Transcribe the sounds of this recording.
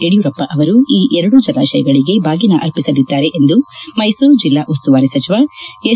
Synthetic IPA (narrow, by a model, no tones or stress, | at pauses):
eɽijuɾɐpːɐʔɐʋɐɾuiːʔɛɾɐɽud͡ʒɐlaːʃɐjɐɡɐɭiɡe̞bʱaːɡinɐʔɐɾpisɐd̪id̪ːaːɾe̞ʔend̪umɐjsuɾd͡ʒilːaːʔust̪uʋaːɾesɐt͡ʃiʋae